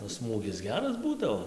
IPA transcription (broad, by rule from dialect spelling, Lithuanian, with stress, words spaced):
oː ˈsmuːɡʲɪs ˈɡʲæːrɐs ˈbuːdɐʋoː